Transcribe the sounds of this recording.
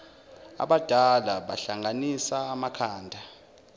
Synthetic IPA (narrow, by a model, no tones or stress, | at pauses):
a̰ɓad̥ʱalaɓaɬaŋʱanisaːmakʰaːndʱa